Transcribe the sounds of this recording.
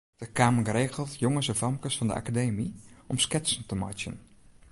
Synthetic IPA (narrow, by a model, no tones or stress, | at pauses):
d̥əkaːməreːɣəlˠtjoŋəsɛfɑmkəsfɑndə̰ʔa̰kadeːmiʔɔmskɪtsən̩təma̰t͡ʃjə̰n